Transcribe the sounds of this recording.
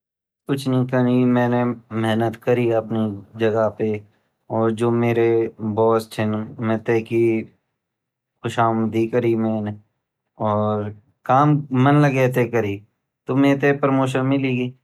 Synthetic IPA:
kʊt͡ʃʰnĩkɐnimɛ̃ːnemɛɦnət̪kɐɾiɐpnid͡ʒɐɡəpe | ɔːɾd͡ʒoːmeːɾebɔːst͡ʃʰɪnmɛ̃t̪eːki | xʊʃaːməd̪ikɐɾimɛ̃ːne | ɔːɾ | kaːmːɐnlɐɡɛːt̪ekɐɾi | t̪omẽːt̪epɾmoːʃənmɪliɡiː

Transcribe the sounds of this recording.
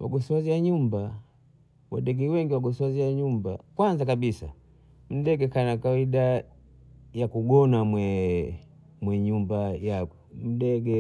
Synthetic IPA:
wa̰ɡɔsaziaɲumba | wa̰dɛɡɛwɛŋɡiwaɡɔsaziaɲumbakwanzakabisa̰ | m̩dɛɡɛkanakawida | jakuɡɔnamwɛ | mwɛɲumbajaɡɔm̩dɛɡɛ

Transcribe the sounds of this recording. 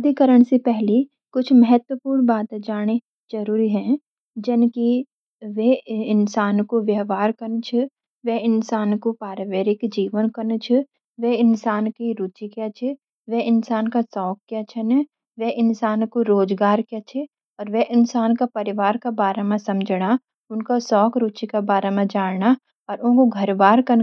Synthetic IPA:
ɐd̪ʱikəɾəɽ̃sepɛɦli | kʊt͡ʃʰmɐɦɛt̪wəpuːɾnbaːt̪d͡ʒaːɽ̃e | d͡ʒɐɾuːɾiɦɛ̃ | d͡ʒɪnki | ʋeɪnsaːnkoʋjəɦʋaːɾkɐɾnt͡ʃʰɛ | ʋeɪnsaːnkopaːɾəʋeːɾɪkd͡ʒiːʋənkɐɾnt͡ʃʰɛ | ʋeɪnsaːnkiɾuːt͡ʃikat͡ʃʰe | ʋeɪnsaːnkasɔːkːjat͡ʃʰɐnɛ | ʋeʔɪnsaːnkoɾoːd͡ʒɡaːɾkjat͡ʃʰe | ɔːɾʋɛʔɪnsaːnkapɐɾɪʋaːɾkabaːɾamãsɐmd͡ʒɽa | ʊnkasɔːkɾuːt͡ʃikabaːɾamãd͡ʒaːɽna | ɔːɾʊ̃koɡʱɐɾbaːɾkɐn

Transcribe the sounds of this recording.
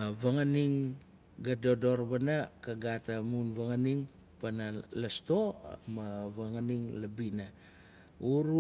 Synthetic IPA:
vaŋaniŋ | ɡadodo̞ɾβanakaɡatamunvaŋaniŋ | panalasto̞maβaŋaniŋlabina | uɾu

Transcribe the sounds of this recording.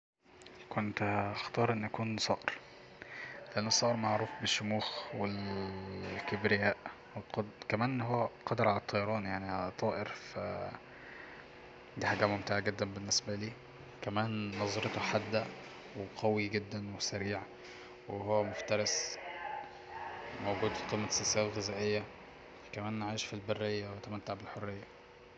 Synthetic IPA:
kont̪xt̪ɑːɾˤʔenːʔækuːnsˤɑːʔeɾ | leʔænːosˤːɑːʔɾmaʕɾuːfbeʃːʊmuːxwel | kebɾejæːʔ | wqɑd̪kæmæːnʔnːɦowːæqɑd̪ɾʕalæt̪ˤːɑjɑɾˤɑːnjaʕniʕalt̪ˤɑːʔeɾfæ̰ | d̪iːħaːɡæmomt̪aʕaɡed̪ːænbenːesbæliː | kæmæːnːɑzˤɑɾet̪oħad̪ːæ | weqæwiɡed̪ːænwesæɾiːʕ | weɦowːæmoft̪ɑɾˤɑs | mowɡuːd̪fqiːmːæsesæːlɣezæːʔejːæ | kæmæːnnʕaːjʃfilberːejːæwet̪ːæmæt̪ːaʕbelħorːejːæ

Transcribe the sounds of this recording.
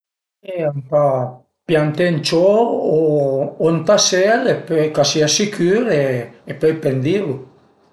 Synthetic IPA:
eampa | pjant̪ent͡ʃooont̪aselepøjkasiasikyɾeːpøjpend̪ilu

